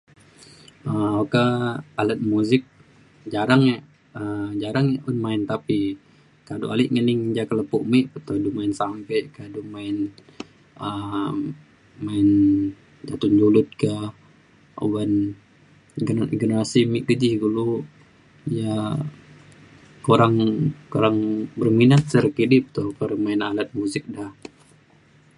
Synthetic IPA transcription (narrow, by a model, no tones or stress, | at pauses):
əkaalət̪̚muzɪk̚ | d͡ʒaɾaŋa | əd͡ʒaɾaŋjaʊnmaɪnt̪api | kado̰ʔalɪʔŋənɪŋd͡ʒakələpuʔmiʔpət̪odumaɪnsampɛkadumaɪn | ə | maɪn | d͡ʒat̪und͡ʒulʊt̪̚ka | o̰wan | ɡnɡənəɾasimiʔkəd͡ʒihɡulu | ja | koɾaŋkoɾaŋbərminat̪̚səɾkidɪp̚t̪okəɾmaɪnalat̪̚muzɪk̚dah